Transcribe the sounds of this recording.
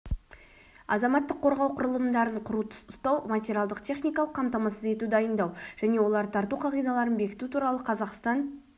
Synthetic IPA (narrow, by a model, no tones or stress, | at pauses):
ɑ̰zɑmɑt̪ːəqʰːo̞ɾʁɑwqʰʊɾəlˠəmd̪ɑɾəɴqʰʊɾut̪st̪ɑwmatʲeɾʲialˠd̪əqt̪ʲʰe̞χnʲijkɑlˠəqʰːɑmt̪ɑmɑsəze̞t̪ud̪ɑjənd̪ɑwʒ̥æne̞wo̞lˠɑɾt̪ʰɑɾt̪uqʰɑʁijd̪ɑlˠɑɾənbe̞kʲɪ̥t̪ut̪ʰuɾɑlˠəqʰɑzɑqst̪ɑn